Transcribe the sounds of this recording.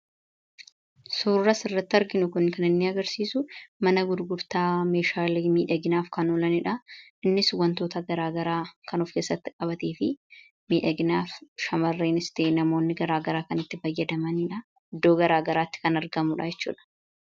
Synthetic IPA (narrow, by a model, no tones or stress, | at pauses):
suːɐsɪrːɐt̪ːɪɐɾɡɪnʊkʊnkɐnɪnːɪɐɡɐɾsiːsʊmɐnɐɡʊd̪ɡʊɾt̪aːme̞ːʃaːliːmiːᶑɐɡɪnaːfkɐnoːlɐnɪᶑɐɪnːɪswɐnt̪o̞ːt̪ɐɡɐɾaːɡɐɾaːkɐnʊfkeːsːɐt̪ːɪkʼɐbɐt̪eːfɪ | miːᶑɐɡɪnaːfʃɐmɐrːeːnɪst̪eːnɐmo̞ːnːɪɡɐɾaːɡɐɾaːkɐnɪt̪ːɪfɐjːɐd̪ɐmɐniᶑɐ | ɪd̪ːo̞ːɡɐɾaːɡɐɾaːt̪ːɪ̥kɐnɐɾɡɐmʊᶑɐjɛt͡ʃːṵːᶑɐ̥